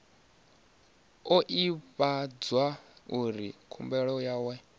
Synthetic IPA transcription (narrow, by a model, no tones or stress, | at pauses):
ɔʔipad͡zwauɾikʰumbɛɺɔjawɛ